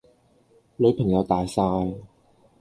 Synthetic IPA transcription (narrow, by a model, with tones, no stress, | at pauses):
lɵ˨˧˥ɥpʰɐ˨˩ŋjɐ˨˧wt̪aː˨jsaː˧j